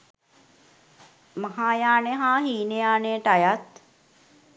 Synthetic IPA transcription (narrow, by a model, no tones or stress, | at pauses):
maɦaːjaːneɦaːɦiːnejaːnejəʈajat̪